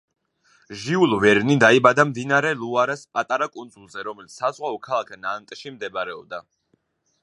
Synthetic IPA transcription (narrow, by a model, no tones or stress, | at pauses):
ʒiulˠvɛɾnid̪aibad̪amd̪inaɾɛlˠuaɾaspʼat̪ʼaɾakʼund̪zulˠzɛɾɔmɛlit̪ssazʁwaɔkʰalˠakʰnant̪ʼʃimd̪ɛbɾɛɔb̚d̪a